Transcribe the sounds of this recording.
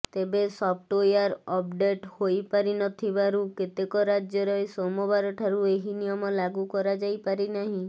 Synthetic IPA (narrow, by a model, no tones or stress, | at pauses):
t̪ebesɔp̚ʰʈojaɾɔp̚ɖeʈhojpaɾinɔt̪ʰibaɾuket̪ekɔɾad͡ʒjɔɾɔjsɔmɔbaɾɔʈʰaɾueɦinijɔmɔlaɡukɔɾad͡ʒajpaɾinaɦĩ